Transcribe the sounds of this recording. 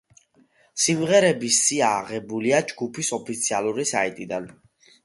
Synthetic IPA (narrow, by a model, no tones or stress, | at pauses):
simʁɛɾɛbissʼiaːʁɛbuliad͡ʒɡupʰisɔpʰit̪sʰialˠuɾisa̰it̪ʼid̪an